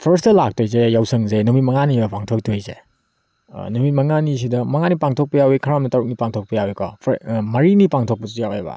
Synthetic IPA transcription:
pʰɐɾstɐlak̚tojzejawsɐŋzenumit̚mɐŋanibɐpaŋtʰok̚tʰojzḛ | numit̚mɐŋanis̬idɐmɐŋanipaŋtʰok̚pɐjawikʰɐɾamnɐtɐɾuk̚nipaŋtʰok̚pɐjawikɔ̰pʰmɐɾinipaŋtʰok̚pɐzijawḛba̰

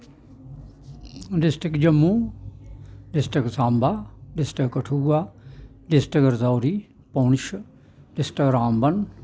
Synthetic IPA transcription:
ɖɪsʈɪkd͡ʒəmːũː | ɖɪsʈɾɪksãːmbʱaːɖɪsʈɪkkəʈʰuːaː | ɖɪsʈɪkəɾzaːɾiː | poːnʃ | ɖɪsʈɪkɾaːmbən

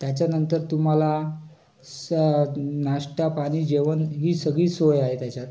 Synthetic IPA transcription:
t̪jat͡ɕjanənt̪əɾt̪um̤ala | s | naʂʈapaɽ̃iːd͡ʑeʋənɦiːsəɡɭiːsojaɦet̪jat͡ɕjat̪

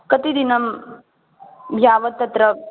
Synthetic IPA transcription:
kɐt̪id̪inɐm | bʱjaːʋɐt̪ːɐt̪ɾɐ

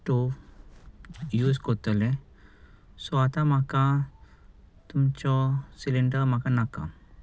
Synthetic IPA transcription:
ʈu | juːskɔt̪əle | sɔat̪amaka | t̪umt͡ʃɔsiliɳɖəɾmakanaka̰

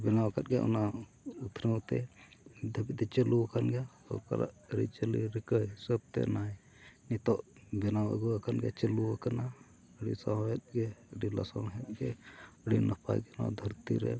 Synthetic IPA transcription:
bɛnawkat̪̚ɡɛʔɔ̰na | ut̪ʰɾəwt̪ɛd̪ʱəbit̪ɛt͡ʃəluakanɡɛ | ɔ̰ka̰ɾa̰ʔɾḭt͡ʃəliɾikəjsəb̚t̪ɛ̰naj | nit̪ɔʔbɛnawɛ̰ɡuakanɡɛt͡ʃəluakana | əɽisaɦɛt̪̚ɡɛɖila̰sa̰nɦɛt̪̚ɡɛəɽinapa̰jkɛna̰d̪ʱəɾt̪ḭɾɛ̰

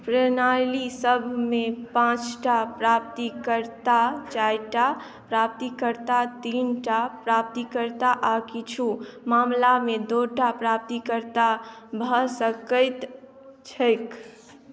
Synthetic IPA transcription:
pɾənajlisəbʱmẽpãt͡ʃʈapɾap̚t̪ikəɾt̪at͡ʃajʈa | pɾap̚t̪ikəɾt̪at̪iːnʈapɾap̚t̪ikəɾt̪aʔakit͡ʃʰumamlamẽd̪oʈapɾap̚t̪ikəɾt̪abʱəsəkəɪt̪ | t͡ʃʰəjk

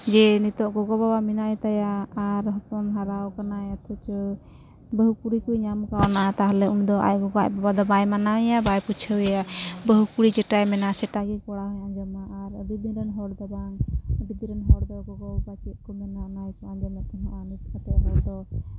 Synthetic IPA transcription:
d͡ʒɛnit̪ɔʔɡɔɡɔbabaminaʔɛt̪ajaːɾɦɔpɔnɦaɾawkanajat̪ʰɔt͡ʃɔ | bəɦukuɽikujɲamkawnaʔat̪aɦlɛund̪ɔʔa̰jɡɔɡaʔbabad̪ɔbajmanawɛjabajput͡ʃʰəwɛjabəɦukuɽit͡ʃɛʈajmɛnasɛʈaɡikɔɽaɦɔjand͡ʒɔmaʔːɾəbid̪inɾɛnɦɔɽd̪ɔbaŋəbid̪iɾɛnɦɔɽd̪ɔɡɔɡɔkat͡ʃit̪̚kɔmɛnanajkɔand͡ʒɔmɛt̪ɔɦãʔanit̪̚kʰat̪ɛabɔld̪ɔ

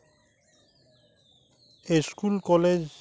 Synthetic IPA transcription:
eskulkɔled͡ʑ

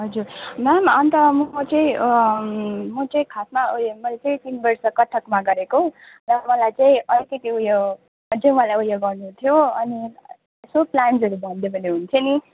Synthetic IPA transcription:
ɦʌd͡zuɾmamʌnt̪ʌmt͡sʌĩ | mʌt͡saĩkʰasmamʌjlet͡saĩt̪inbʌrsʌkʌʈʰːʌkmaɡʌɾeko | ɾʌmʌlajt͡saĩʌlikʌt̪iuja | ʌt͡saĩmʌalajujaɡʌrnut̪ʰjoʌni | soplansʌɾubʱʌnd̪ebʌneɦunt̪ʰʌni

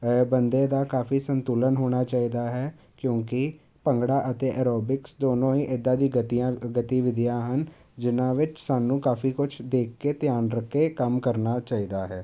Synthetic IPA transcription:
bənd̪eːd̪aːkaːfiːsənt̪uːlənɦoːɽ̃aːt͡ʃaːiːd̪aːɦɛː | kjõːkɪ | pəŋɡɽaːʔət̪eːʔɛːɾoːbɪksd̪oːnõːiːʔɪd̪ːãːd̪iːɡət̪ijãːɡət̪iːʋɪd̪ɪjãːɦən | d͡ʒɪnãːʋɪt͡ʃsaːnːũːkaːfiːkʊt͡ʃʰd̪eːkʰkeːt̪jaːnɾəkʰːeːkəmkəɾnaːt͡ʃaːiːd̪aːɦɛː

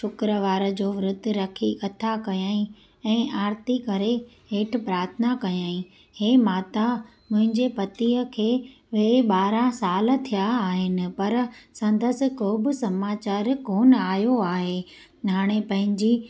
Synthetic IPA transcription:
ʃʊkɾəʋaːɾəd͡ʑoːʋɪɾʊd̪ʱːɪ̆ɾɐkʰikɐt̪ʰakɐjaːĩ | ɛ̃ːʔaːɾt̪ikɐɾe | ɦeːʈʰɪ̆pɾaːɾt̪ʰənakɐjaːĩ | heːmaːt̪a | mʊ̃ɦɪ̃ɲd͡ʑepɐt̪iːəkʰeː | ʋeɓaːɾãsaːlə̆t̪ʰijaːɦɪnɪ̆pɐɾsɐ̃nd̪əsɪ̆koːbɪ̆sɐmaːt͡ɕaːɾkoːnaːjoaːɦeː | ɦaːɽ̃epɐ̃ɦɪ̃ɲd͡ʑiː

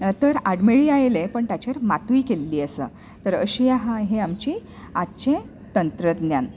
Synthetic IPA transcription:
t̪əɾaɽmeɭiːajlepəɳt̪jat͡ɕaɾmat̪uiːkelːiːəsə | t̪əɾə̰ɕijaɦãɦeamt͡ɕiː | att͡ɕẽ | t̪ənt̪ɾəd̪njan

